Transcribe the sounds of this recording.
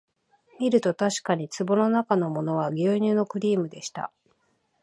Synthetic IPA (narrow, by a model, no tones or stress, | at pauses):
mʲiɾɯ̟t̪o̞t̪aɕi̥kaɲ̟it͡sɨbo̞no̞nakano̞mo̞no̞β̞aɡʲɨːɲʲɨːno̞kɯ̟ɾʲiːmɯ̟d̪e̞ɕi̥t̪a̰